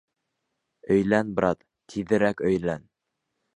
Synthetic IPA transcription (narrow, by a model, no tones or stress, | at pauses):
ɵ̆jlænbɾɑt̪ | t̪ʰiðɘ̆ɾækɵ̆jlæn